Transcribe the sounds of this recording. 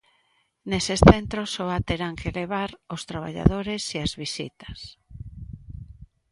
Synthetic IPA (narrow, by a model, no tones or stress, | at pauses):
nesesθent̪ɾosoat̪eɾaŋkeleβ̞aɾost̪ɾaβ̞a̰ʎa̰ðoɾeseazβisḭt̪ɐ̥s